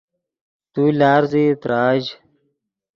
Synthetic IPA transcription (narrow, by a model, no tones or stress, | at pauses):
t̪uːlaːɾzit̪ɾaːd͡ʑ